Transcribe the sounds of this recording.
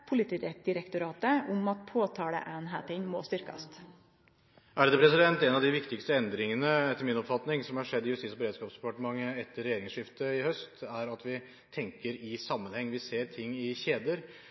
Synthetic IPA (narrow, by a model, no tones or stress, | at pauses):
pʰʊlɪt̪iːɾɛd̪ɪɾɛkt̪ʊɾɑːt̪əʊmɑt̪pʰoːt̪ʰɑːɽə̰ʔæːnɦæːt̪ɪnmo̰ːst̪ʏɾkɑ̰st̪ | ʔæɖd̪ɛpʰɾɛsɪd̪ɛnt̪ɛnɑʋd̪ɪʋɪkt̪ɪkst̪əɛnd̪ɾɪŋənəɛt̪ːəɾmɪnɔpfɑt̪nɪŋsɔmhɑʂɛd̪ːɪjʉst̪iːsɔbəɾeːd̪skɑːpsd̪ɛpɑʈəmɑŋːəɛt̪ʰːəɾːɛjeːɾɪŋsʂɪft̪əɪhœst̪æɾɑt̪ʋɪ | t̪ʰɛŋkəɾɪsɑmːənhɛŋːʋɪseːɾt̪ʰɪŋːɪçeːd̪əɾ